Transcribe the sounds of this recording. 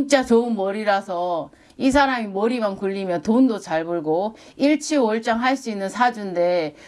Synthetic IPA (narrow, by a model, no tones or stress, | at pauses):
iŋ̚t͡ɕ͈at͡ɕoɯnmʌɾiɾasʰʌ | is̬ʰaɾamimʌɾimankuʎːimjʌntondot͡ɕaɭboɭɡo | iɭt͡ɕʰioɭt͡ɕ͈aŋɦaɭs͈uinːɯnsʰad͡ʑunde̞